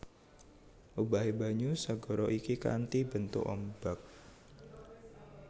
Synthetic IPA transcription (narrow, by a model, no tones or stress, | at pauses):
ʔubaɦebaɲusaɡɔ̤ɾɔʔikika̰nt̪ibənt̪ʊ̰kɔmb̥ak̚